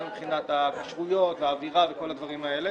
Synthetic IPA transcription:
mbχinat̪akaʃʁujo̞t̪veaːviʁave̞ko̞lad̪vaʁimae̞le

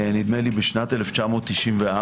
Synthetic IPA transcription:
nid̪melibeʃnat̪eleft͡ʃamo̞ːt̪ːiʃimvea

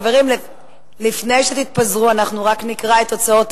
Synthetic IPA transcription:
ve̞ʁiml | lifnejʃet̪it̪̚pazʁuanaχnuʁaknikʁaet̪ːo̞t͡sao̞t̪

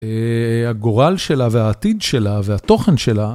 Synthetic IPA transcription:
ehaɡo̞ʁalʃe̞lavehaːt̪id̪ʃe̞laveat̪o̞χenʃe̞la

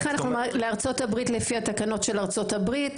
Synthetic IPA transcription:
χanaχχnumleaʁt͡so̞tabʁitlefiatakano̞tʃe̞laʁt͡so̞tabʁit

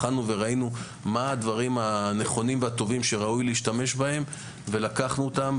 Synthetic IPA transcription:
anuve̞ʁainu | maːd̪vaʁimane̞χo̞nimveat̪o̞vimʃe̞ʁaujleiʃtame̞ʃbahe̞m | ve̞lakaχnuot̪am

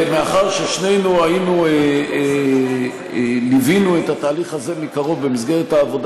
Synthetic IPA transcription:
meaχaʁʃeʃne̞jnuainuee | livinuetataːliχaze̞mikaʁo̞vbemis̬ɡe̞ʁethaːvo̞d

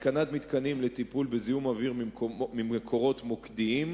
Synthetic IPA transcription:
kanat̪mit̪kanimlet̪ipulbezijumaviʁmimimekʰo̞ʁo̞t̪mokd̪iim

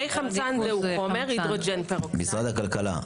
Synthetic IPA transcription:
ejχamzt͡sanzeuχomeʁid̪ʁod͡ʒenpeʁomisʁad̪hakalkala̰

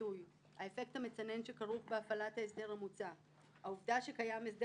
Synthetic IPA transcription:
uj | ha̰e̞fe̞k̚thame̞t͡sane̞nʃe̞kaʁuχbeafalathaesde̞ʁamut͡sa | hauvdaʃe̞kajames̬d

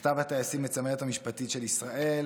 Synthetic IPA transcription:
t̪avhat̪aasimːet͡sameet̪hamiʃpat̪itʃe̞lisʁaʔe̞l

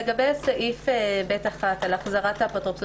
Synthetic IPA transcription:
eɡabejasaʔifebetaχatalaχzaʁathapat̪ʁops

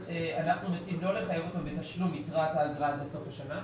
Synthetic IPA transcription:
eanaχnumet͡simlo̞le̞χajevo̞t̪ambet̪aʃlumitʁathaːɡʁadbeso̞faʃana

